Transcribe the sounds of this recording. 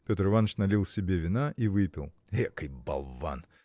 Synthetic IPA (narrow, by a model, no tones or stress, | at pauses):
pʲot̪ɾɨvanːət͡ɕnɐlʲilˠsʲɪbʲevʲɪnaʔivɨpʲɪ̰lˠ | ekɨjbɐ̰lˠva̰n